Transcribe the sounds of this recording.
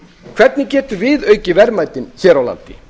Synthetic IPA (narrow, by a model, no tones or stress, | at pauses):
kʰv̥ɛt̪̚nɪcɛːt̪ʏvɪðœːɥcɪvɛɾmaːjt̪ɪnçɛːɾawla̰nt̪ɪ